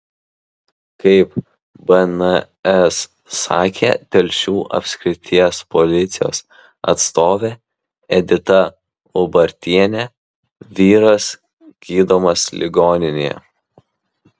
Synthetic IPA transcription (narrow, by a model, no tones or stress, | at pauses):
kɐɪp | bɐnɐ | ɛs | ɑ̰ːkʲḛːt̪ʲɛlʲʃʲuːʔɐ̰pʲsʲkʲɾʲɪt̪ʲiɛspɔlʲɪt̪sʲɪjo̰ːs | ɐ̰t̪st̪oːʋʲeː | ɛd̪ʲɪt̪ɐ | ʊbɐɾʲt̪ʲiɛnʲɛ | ʋʲiːɾɐs | ɡ̥ʲiːd̪oːmɐslʲʔɪ̰ɡoːnʲɪnʲejɛ̰